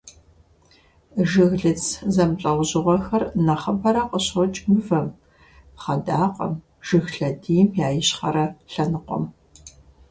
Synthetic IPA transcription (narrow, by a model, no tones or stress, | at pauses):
ʒɨɣɮɨt͡sʰzɐmɕʼɐʁʑɪʁʷɔxɐrnɐχɐbɐɾɐqəɕɔt͡ʃʼmɨvɐm | pχɐdaːqʼɐ̰m | ʒ̥ɨxɬɐdiːjmjaːjɪɕχɐ̰ɾɐɬɐnɨqʷɔ̰m